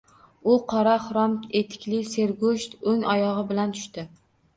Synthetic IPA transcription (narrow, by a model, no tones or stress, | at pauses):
ʊqʰɒɾaχʊɾɒmet̪ʰɪ̥kʲlɪse̞ɾɡoʃt̪ɵŋɒjɒʁɨbɪlant̪ʰʊ̥ʃt̪ɪ